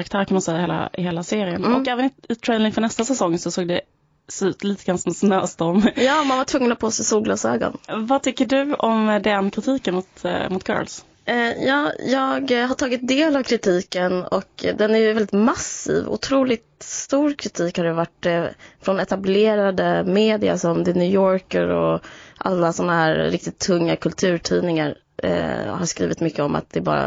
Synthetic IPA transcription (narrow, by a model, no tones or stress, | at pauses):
ɾak̚t̪ʰæːɾkʰanmansɛjːaheːla̰ɪheːlaseːɾɪənɔkɛːvənɪɪt̪ʰɾɛjnɪŋfœɳɛst̪asɛsɔŋːsɔsoːɡd̪ɛ | sɔʉ̟ːt̪liːt̪əɡɾanasɔmɔsnøːst̪ɔmjɑːmanvaʈʰvɵŋːənɔt̪̚pʰoːsɛjsuːɡlɔsøːɡɔ̰nvat̪ʰʏkːəɖɵɔmd̪ɛnkʰɾɪt̪ʰiːkənmʊt̪mʊt̪̚kʰœ̰ːls | jɑːjɑːɡhaʈʰɑːɡɪt̪̚d̪eːlavkʰɾɪt̪ʰiːkənɔ̰kd̪ɛnæɾjɵvɛldɪt̪masḭːvʊ̰t̪ʰɾuːlɪt̪st̪uːɾkʰɾɪt̪ʰiːkhaɾjəvaʈːfɾɔnɛt̪ableːɾad̪əmeːd̪ɪa̰sɔmd̪ɛnʉːjɔːɾkəɾɔ̰ʔa̰lːasɔnːaɦæːɾɾɪk̚t̪ɪt̪ʰːɵŋːakʰɵlt̪ʰʉ̟ːɾʈʰiːnɪŋaɾ̰ | haɾskɾḭːvɪt̪mʏkːəɔma̰t̪̚d̪ɛbɑ̰ːɾa̰